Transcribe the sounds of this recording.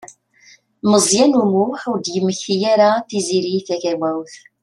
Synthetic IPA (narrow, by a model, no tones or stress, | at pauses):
məzˤjænumuħuɾd̪jəmːəçθijaɾaθiziɾiθækæwæwθ